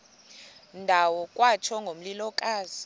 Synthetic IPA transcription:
ndʱawɔkʼwat͡ʃʰɔŋɡʱom̩lilɔkʼaːzi̥

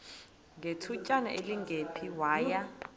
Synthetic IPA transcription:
ŋɡʱetʰucʼana̰ʔeliŋɡʱepʰiwaːja

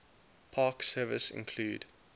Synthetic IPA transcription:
pʰɑːksɜːvəsɪ̰̃nkʰl̥uːd

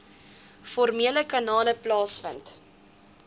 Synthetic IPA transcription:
fɔrmiələkɐnɑːləplɑːsfənt

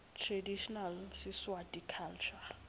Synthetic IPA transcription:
tʰradiʃɔnalsɪswatʼikʰalt͡ʃʰa

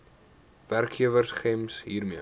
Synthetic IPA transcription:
værkχiəvərsχɛmsɦiːrmiə

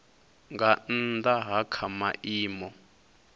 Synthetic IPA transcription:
ŋɡan̩ndaɦakʰamaʔiːmɔ

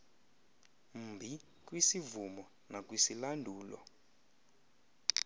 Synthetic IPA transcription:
m̩bʱi | k̬wisivumɔ | nak̬ʼwisilandʱuːlɔ̰

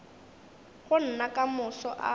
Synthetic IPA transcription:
ɣʊn̩nakamʊsɔʔa̰

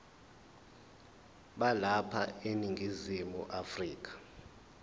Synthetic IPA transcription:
ɓalapʰa̰eniŋɡʱizimṵʔafriːk̬ḁ

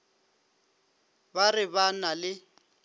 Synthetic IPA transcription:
barɪβanalɪ

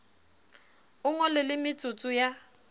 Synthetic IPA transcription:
ʊŋɔlɪlɪmɪt͡sʼʊt͡sʼʊja

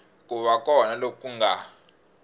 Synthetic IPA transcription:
k̬uβakʼɔnalokʼuŋɡa

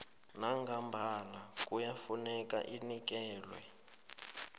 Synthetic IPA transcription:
naŋɡambʱalakʼujafunɛkʼa̰ʔinik̬ɛːlwɛ̰

